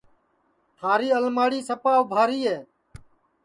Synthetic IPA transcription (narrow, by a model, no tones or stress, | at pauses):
t̪ʰaːɾiːəlmaːɽiːsəpaːʋbʱaːɾiːɦeː